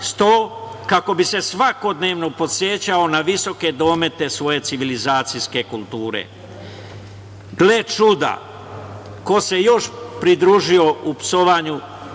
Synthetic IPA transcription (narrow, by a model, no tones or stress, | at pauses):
st̪oːkako̞bise̞sʋako̞d̪ne̞ːʋno̞po̞sje̞t͡ɕao̞naʋiso̞ke̞d̪o̞me̞t̪e̞sʋo̞je̞t̪siʋilizaːt̪sijske̞kulˠt̪uːɾḛ | ɡle̞t͡ʃud̪a̰ | ko̞se̞jo̞ʃpɾid̪ɾuːʒio̞upsoʋaːɲu